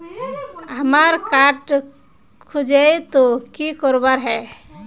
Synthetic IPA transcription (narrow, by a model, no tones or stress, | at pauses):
ɦəmaɾkaʈ | kʰud͡ʒejt̪okikɔɾbaɾɦɛ